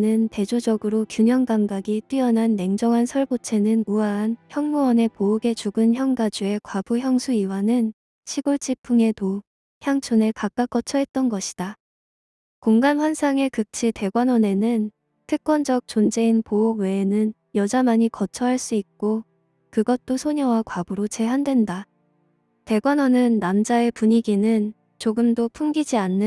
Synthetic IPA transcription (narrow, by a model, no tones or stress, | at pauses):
nɯnte̞d͡ʑod͡ʑʌɡɯɾokjuɲʌŋɡaŋɡaɡit͈ɥiʌnanːe̞ŋd͡ʑʌŋɦansʰʌɭbot͡ɕʰe̞nɯnmuaːnçjʌŋmuwʌne̞pouɡe̞t͡ɕuɡɯnçjʌŋɡad͡ʑue̞kwab̥uçjʌŋsʰuiwanɯn | ɕʰiɡoɭt͡ɕ͈ipʰuŋe̞to | çjaŋt͡ɕʰonekak͈ak͈ʌt͡ɕʰʌɦe̞t̚t͈ʌnɡʌɕʰi̥d̥a | koŋɡamɸwansʰaŋekɯk̚t͡ɕʰite̞ɡwanʌne̞nɯn | tʰɯk̚k͈wʌnd͡ʑʌk̚t͡ɕond͡ʑe̞inpouɡwe̞ːnɯn | jʌd͡ʑamaɲikʌt͡ɕʰʌɦaɭs͈uik̚k͈o | kɯɡʌt̚t͈osʰoɲʌwakwabuɾot͡ɕe̞ɦandwe̞nda | te̞ɡwanʌnɯnːamd͡ʑae̞puɲiɡinɯn | t͡ɕoɡɯmdopʰumɡid͡ʑianːɯ